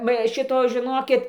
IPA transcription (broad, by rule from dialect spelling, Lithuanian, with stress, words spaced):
ʋɐ ˈʃʲɪtoː ʒʲɪˈnoːkʲɪt